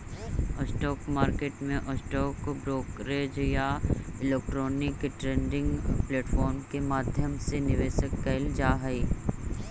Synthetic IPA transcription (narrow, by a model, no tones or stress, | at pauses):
ɔːsʈɔːkmaːɾkeːʈmẽʔɔːsʈɔːkobɾoːkɾeːd͡ʒjaɪleːk̚ʈɾɔːnɪkʈɾẽːɳɖɪ̃ŋɡpleːʈfɔːɾmkemaːd̪ʱjəmsenɪʋeːʃəkːɐɪld͡ʒaːɦɐi